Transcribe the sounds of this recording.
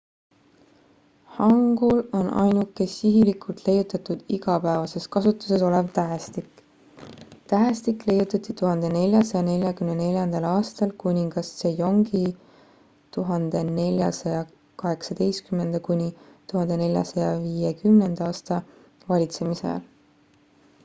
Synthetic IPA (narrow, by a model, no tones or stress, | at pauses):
hɑŋɡ̥ulo̞nʔɑ̰jnukːesiɦilikult̪le̞jut̪ːˑɑt̪ːud̪̥iɡɑpæevɑse̞skɑsut̪ːˑu̥se̞so̞levt̪æɦst̪ikː | t̪æːst̪ikˑle̞jut̪ːˑɑt̪ːˑit̪uɦɑnd̪̥e̞ne̞lʲjɑsɑjɑne̞lʲjɑkymnene̞lʲjɑnd̪̥ɑlɑːst̪ɑlkunʲiŋɡ̥ɑssejo̞ŋɡi | t̪uɦɑnd̪̥e̞ne̞lʲjɑsɑjɑ | kɑɦe̞ksɑd̪̥ejskymːe̞nd̪̥ɑkunʲit̪uɦɑnd̪̥e̞ne̞lʲjɑ̰sɑjɑviːekymne̞nd̪̥ɑːst̪ɑ | vɑlʲit̪se̞misḛl